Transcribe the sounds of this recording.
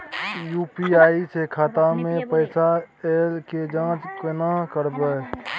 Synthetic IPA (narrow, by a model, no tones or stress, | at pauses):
juːpiaːisekʰaːt̪amẽpəɪsaeːlked͡ʒãːt͡ʃkənakəɾbe